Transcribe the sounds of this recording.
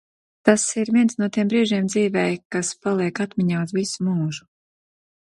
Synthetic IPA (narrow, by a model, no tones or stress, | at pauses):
t̪asiɾviɛnsnuɔt̪iɛmbɾiːʒiɛmd̪ziːvɛjkaspalˠiɛkat̪mʲiɲaːuzvisumuːʒu